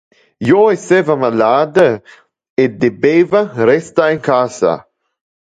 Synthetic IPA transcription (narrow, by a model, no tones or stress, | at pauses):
joesɛvamalaːd̪ə | ed̪ebeːvaɾɛst̪aeŋkasa̰